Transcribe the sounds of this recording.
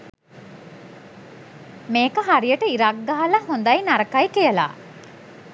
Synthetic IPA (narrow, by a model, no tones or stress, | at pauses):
meːkəɦaɾijəʈəiɾaɡːaɦalɐhond̪ɐjnaɾəkajkijəla̰ː